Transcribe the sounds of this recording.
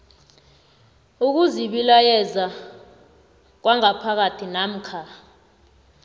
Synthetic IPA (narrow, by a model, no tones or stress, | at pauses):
uk̬uziɓilajɛza | k̬waŋapʰak̬atʰinam̩kʰa